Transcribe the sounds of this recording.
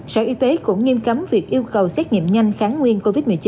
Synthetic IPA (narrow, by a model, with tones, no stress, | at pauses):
səː˧ʔi˨˧t̪e˨˦kʊ̰˧˥ŋ͡mŋi˧mka˨˦mvi˨˩ək̚ʔi˧əwkə˨˩wsɛ˦˥t̚ɲḭ˧˨əmɲa˧jŋ̟xaː˨˦nŋwi˧ənko˧vi˦˥t̚mɨ˨˩ət͡ɕi˨˦